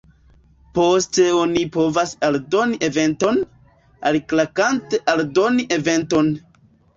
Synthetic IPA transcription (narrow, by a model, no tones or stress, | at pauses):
po̞steonipo̞vasaldo̞niʔeve̞nto̞n | aliklakante̞ʔaldo̞niʔeve̞nto̞n